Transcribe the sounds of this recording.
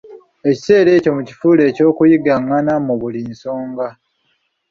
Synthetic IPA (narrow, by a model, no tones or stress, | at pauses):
e̞ci̥se̞ːɾe̞ːco̞mucifule̞ːco̞ːkujiɡaŋːanamuβulinso̞ːŋɡa